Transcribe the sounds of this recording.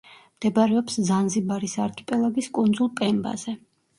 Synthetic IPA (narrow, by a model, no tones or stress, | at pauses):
md̪̥ɛbaɾɛɔpszanzibaɾisaɾkʰɛ̥pʼɛlˠaɡiskʼund̪zulˠpʼɛmba̰zɛ